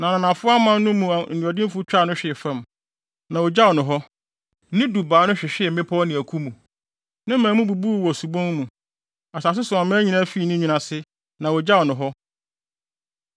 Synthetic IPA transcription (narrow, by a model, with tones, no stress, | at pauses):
nã˨nã˨nã˨fʊ˦a˦mã˦n˦nʊ̃˦mũ˨nũ˨a˨dɪ̃˦fʊ˦t͡ɕᶣa˦˨nʊ̃˦ɕᶣɪ˨ɛ˨fã˦˨m | nã˨wɔ˨d͡ʑa˦wɔ˨nʊ̃˨ɦɔ˦ | nɪ̃˦du˨baː˨nʊ̃˦ɕᶣɪ˨ɕᶣɪ˦ɛ˨m̩˨mɪ̃˦pʰɔ˦nɪ̃˨æ˨kʰu˦mũ˨ | nã˦mãː˨˦mũ˦bu˨bu˦˨wɔ˨su˨bɔ̃˦n˦mũ˨ | a˨sa˨s̬ɪ˦sʊ˨a˨mã˦ɲĩ˦nã˦fiː˨˦˨nʊ̃˦ɲĩ˨nã˨sɪ˦ | nã˨wɔ˨d͡ʑa˦wɔ˨nʊ̃˨ɦɔ˦